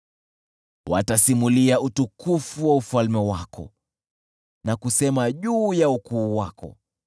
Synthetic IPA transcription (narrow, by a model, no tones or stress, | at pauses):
watasimuliautukufuwaufalmɛwakɔ̰ | nakusɛmaʄuːjaukuːwakɔ̰